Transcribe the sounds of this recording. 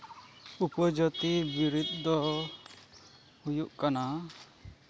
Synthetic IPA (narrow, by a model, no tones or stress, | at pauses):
upɔd͡ʒɔt̪ibiɾut̪d̪ɔ | hujuʔkana